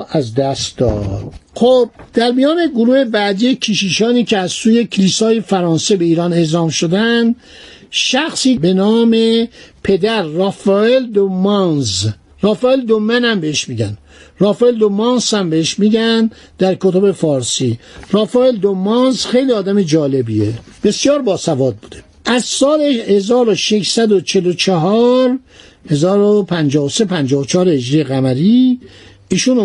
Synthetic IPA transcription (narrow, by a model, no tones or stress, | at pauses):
æzd̪æst̪d̪ɒ̰d̪̥xob̚d̪̥æɾmijɒːne̞ɡoɾuːhebæd̪icʰiːʃiːʃɒːniːcʰeæzsuːjecʰeliːsɒːjefæɾɒːnsebe̞iːɾɒːne̞zɒːmʃod̪ænd̪ | ʃæxsiːbe̞nɒːme̞pʰe̞d̪æɾːɑfæeld̪omɑnz | rɒːfæeld̪omːænæmbeheʃmiːɟænd̪ | rɑːfæeld̪omɑːnsæmbeheʃmiɡ̪æn | d̪̥æɾkʰot̪ʰobe̞fɒːɾsirɑːfæːeld̪omɑnzxejliɒːd̪æmed͡ʒɒːle̞bieb̥e̞sjɒːɾbɒːsævɒːd̪̚buːd̪e | ʔæzsɒːleʃhezɒːɾoʃeʃsæd̪ot͡ʃʰe̞lot͡ʃʰeɦɒːɾ | he̞zɒːɾopʰænd͡ʒɒːhosepʰænd͡ʒɒːhot͡ʃʰɒːɾeed͡ʒɾijeɣæmæɾiː | iːʃun